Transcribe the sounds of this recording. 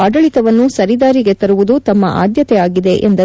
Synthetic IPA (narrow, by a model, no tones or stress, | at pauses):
ɐɖɐɭit̪ɐʋɐnːusɐɾid̪aːɾiɡe̞t̪ɐɾuʋud̪ut̪ɐmːɐʔa̰ːd̪jɐt̪ɛaːɡid̪e̞ʔḛnd̪ɐ